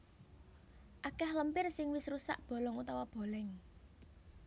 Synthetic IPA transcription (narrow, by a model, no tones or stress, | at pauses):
ʔakahləmpɪrsɪŋwɪsɾusa̰ʔb̥o̤lɔŋut̪awab̥o̤lɛŋ